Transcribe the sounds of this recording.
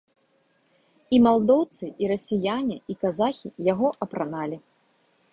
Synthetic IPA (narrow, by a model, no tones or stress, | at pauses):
imalˠd̪ɔwt̪sɨʔiɾɐsʲijanʲiikazaxʲijaɣɔʔɐpɾanalʲi